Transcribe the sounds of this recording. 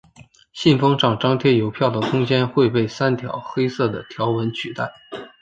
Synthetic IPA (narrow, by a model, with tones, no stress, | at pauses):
ɕi˥˩nfɤ˥ŋʈ͡ʂɑ˥˩ŋʈ͡ʂɑ˥ŋt̪ʰjɛ˥jo˧˥ʊpʰjɑ˥˩ʊd̪ə˩kʰʊ˥ŋt͡ɕjɛ˥nxwe˥˧ɪpe˥˩ɪsa˥nt̪ʰjɑ̰˨˥ʊxe˥ɪsɤ˥˩d̪ə˩t̪ʰjɑ˧˥ʊwə˧˥nt͡ɕʰy˨˩t̪a˥˩ɪ